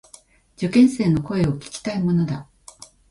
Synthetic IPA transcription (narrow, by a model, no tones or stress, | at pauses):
d͡ʑokẽ̞ɰ̃se̞ːno̞ko̞e̞o̞kʲi̥kʲi̥t̪aimo̞no̞d̪a